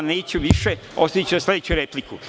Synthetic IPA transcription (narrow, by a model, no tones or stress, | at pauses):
neːt͡ɕuʋiʃeost̪ait͡ɕuasled̪et͡ɕuɾepliku